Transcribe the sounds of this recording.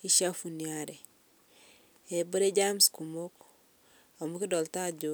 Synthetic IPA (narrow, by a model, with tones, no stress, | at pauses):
i˦ʃa˦fu˨nia˦ɾɛ˨ | e˨bo˦ɾe˦ɟa˦msku˨mo˦k | a˨mu˦ki˦dɔ˨lta˦ɟo˦